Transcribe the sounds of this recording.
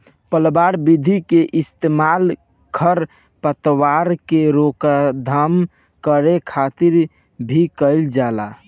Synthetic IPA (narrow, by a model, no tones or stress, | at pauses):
pəlbaɾbid̪ʱikeʔɪst̪emal | kʰəɾ | pət̪waɾkeɾokad̪ʱam | kəɾekʰat̪iɾ | bʱikəɪld͡ʒala